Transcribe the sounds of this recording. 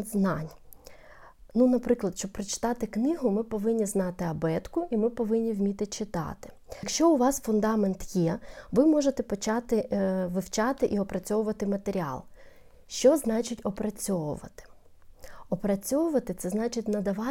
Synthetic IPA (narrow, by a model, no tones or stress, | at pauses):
znɑnʲ | nunɐpɾɪklˠɐd̪ʃt͡ʃɔb̚pɾɐt͡ʃɪ̥t̪ɑt̪ɪknɪɦʊmɪpɔʋɪnʲːiznɑt̪ɪɐbɛt̪kʊimɪpɔʋɪnʲːiwmʲit̪ɪt͡ʃɪt̪ɑ̰t̪ɪ̥ | kʃt͡ʃɔʊʋɑsfʊnd̪ɑment̪jɛʋɪmɔʒet̪ɛpɔt͡ʃɑt̪ɪʋɪwt͡ʃɑt̪ɪʔiɔpɾɐt͡sʲɔʋʊʋɐt̪ɪmɐt̪eɾʲiɑ̰lˠ | ʃt͡ʃɔznɑt͡ʃɪtʲɔpɾɐt͡sʲɔʋʊ̰ʋɐ̰t̪ɪ̥ | ɔpɾɐt͡sʲɔʋʊʋɐt̪ɪt̪sɛznɑt͡ʃɪtʲnɐd̪ɐʋɑ